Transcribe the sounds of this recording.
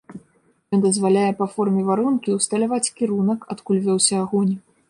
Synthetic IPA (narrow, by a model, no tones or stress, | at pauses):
jɔnd̪ɐzvalʲajɛpɐfɔrmʲɛvaɾunkʲiust̪ɐlʲavat͡sʲkʲiɾunɐkat̪kulʲvʲɔwsʲɐːɣɔnʲ